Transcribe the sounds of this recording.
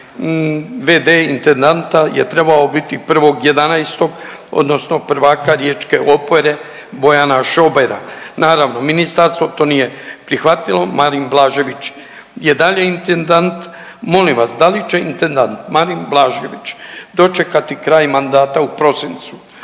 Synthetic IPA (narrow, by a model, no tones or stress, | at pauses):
ʋed̪eint̪e̞nd̪ant̪aje̞t̪ɾe̞baobit̪ipr̩ʋo̞ɡje̞d̪anajst̪o̞ɡ | o̰d̪nosno̞pr̩ʋaːkaɾjeːt͡ʃke̞ʔopoɾe̞ | bo̞janaʃo̞beɾa̰naːɾaʋno̞minist̪aɾst̪ʋo̞t̪oːnije̞pɾixʋat̪ilˠo̞maɾimblˠaːʒe̞ʋit͡ʃ | je̞d̪aʎeint̪end̪ant̪ | mo̞limʋasd̪alit͡ʃe̞int̪e̞nd̪ant̪maɾimblˠaːʒeʋit͡ʃd̪o̞t͡ʃe̞kat̪ikɾaːjmand̪aːt̪aupɾo̞sint̪su̥